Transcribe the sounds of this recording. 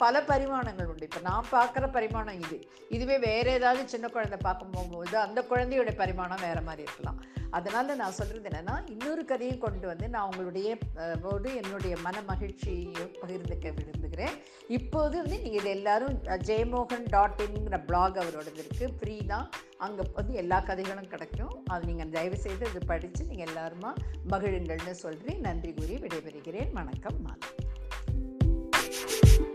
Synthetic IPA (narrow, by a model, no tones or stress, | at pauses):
pɐlɐpɐɾɪmaːɳɐŋɡɐɭʊɳɖɯɪpːoːnãːpaːɾkɪɾɐpɐɾɪmaːnɐ̃ɪðɯ | ɪðɯʋeːʋeːɾeːðaːʋðɯt͡ʃɪnːɐkːʊɻɐnd̪ɐpaːɾkɯmpoːmpoːðɯɐnd̪ɐkːʊɻɐnd̪ɛjɯɽɐjɐpɐɾɪmaːnɐ̃ʋeːɾɐmaːd̪ɾiɪɾɯkːɐlã̰ːɐðɐnaːlɐnãːsɔlrɾɐðɛnːɐnːaːɪnːɔɾɯkɐðɐjʊ̃kɔɳɖɯʋɐnd̪ɯnãːʊŋɡɐɭɯɽɐjɐpoːðɯɛnːɯɽɐjɐmɐnɐmɐɣɪɻt͡ʃijpɐɣɪɾnd̪ɯkːɐʋɪɽɯnd̪ɯkɪɾẽː | ɪpːoːðɯʋɐnd̪ɯniːŋɡɐɪðɯɛlːaːɾɯ̃d͡ʒeːmoːɣɐnɖaːʈːɪnŋɡɪɾɐbɭaːɡɐʋɐɾoːɽɐnɪɾɯkːɯfɾiːðãː | ʔɐŋɡɐʋɐnd̪ɯɛlːaːkɐðɛɪɣɐɭɯ̃mkɪɽɐkːʊ̃ɐðɯniːŋɡɐnd̪ɐjʋɐsɛjðɯɐðɯpɐɽɪt͡ʃːɯniːŋɡɐɛlːaːɾɯmaːmɐɣɪɻɯŋɡɐɭnɯsɔlrĩːnɐndriɣuːɾiʋɪɽɐjpɛɾɯɣɪɾeːʋɐɳɐkːɐmːa̰ːðɐ